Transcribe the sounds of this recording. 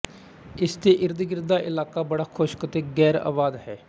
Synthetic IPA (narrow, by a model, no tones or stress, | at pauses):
ɪst̪eːʔɪɾd̪ɡɪɾd̪aːʔɪlaːkaːbəɽaːkʰoʃkət̪eːɡɛːɾa̰ːʋaːd̪ɦɛː